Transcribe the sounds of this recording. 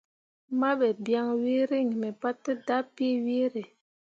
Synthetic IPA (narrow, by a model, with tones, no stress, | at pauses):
ma˦ɓɛ˨bja˦ŋwi˦ɾi˦˨ŋ˨mɛ˨pa˦tːə˦da˦pi˦wi˦ɾe˨